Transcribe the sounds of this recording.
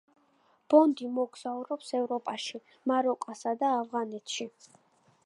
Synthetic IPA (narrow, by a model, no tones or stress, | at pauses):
b̥ɔnd̪imɔɡz̥auɾɔpsɛvɾɔpʼaʃi | maɾɔkʼasad̪aːvʁanɛt̪ʰʃi